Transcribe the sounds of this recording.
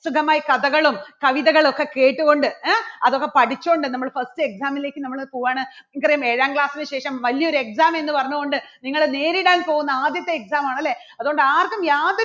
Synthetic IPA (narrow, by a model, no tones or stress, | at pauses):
sukʰɐmaːjikɐðɐɣɐɭumkɐʋiðɐɣɐɭo̞kːe̞ke̞ːʈːuɣo̞ɳɖɨɐðo̞kːepɐʈit͡ɕːuooɳɖɨnɐmːɐɭfɐstɨe̞ksaːmile̞ːkʲːɨnɐmːɐɭpoːɣaːɳɨŋkːɐrɐjume̞ːɻaːŋkɭaːsinɨɕe̞ːʂɐmʋɐlijɐoɾue̞ksaːme̞nːɨpɐrɐɲːuɣo̞ɳɖɨniŋːɐɭne̞ːɾiɽaːnpo̞ːɣunːɐaːd̪jɐt̪ːe̞ːksaːmaːɳɐlːe̞ | ɐðuɣo̞ɳɖɨaːrkːumjaːðo